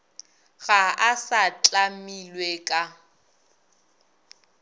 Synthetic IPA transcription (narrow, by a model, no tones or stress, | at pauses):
ɣaasat͡ɬʼamilwekʼa